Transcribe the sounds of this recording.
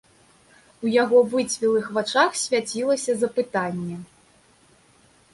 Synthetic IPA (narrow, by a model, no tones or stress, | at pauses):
ujaɣɔvɨt͡sʲvʲilˠɨxvat͡ʂaxsʲvʲat͡sʲilˠɐsʲɐzɐpɨt̪anʲːɛ